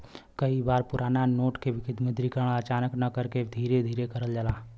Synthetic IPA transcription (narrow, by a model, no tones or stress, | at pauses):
kɐibaːɾpʊɾʔaːnanoːʈkeʋɪkʰɪd̪mə̃d̪ɾikəɾəɽ̃ət͡ʃaːnəknɐkəɾked̪ʱiːɾed̪ʱiːɾekɐɾəld͡ʒəlaː